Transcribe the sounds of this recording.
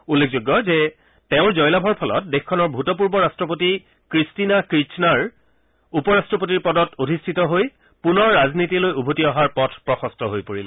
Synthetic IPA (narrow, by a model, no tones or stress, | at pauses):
ulːek̚ʰzoɡːɔzɛ | teʊ̃ɹzɔjlabʱɔɹpʰɔlɔ̰t̚dexkʰːɔnɔɹbʱutɔp̬uɹbɔɹastɹɔpoti | kɹistinakɹit͡ʃnaɹ | upɔɹastɹɔpotiɹpɔdɔtodʱistʰitɔɦoj | punɔɹːaznitilojubʱutiɔɦaɹpɔtʰpɹɔxɔstʰɔɦojpoɹil